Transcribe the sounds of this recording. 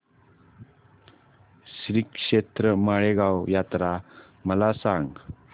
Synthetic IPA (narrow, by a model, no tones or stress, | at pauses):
sɾikʂet̪ɾəmaɭeɡawjat̪ɾa | məlasaŋɡ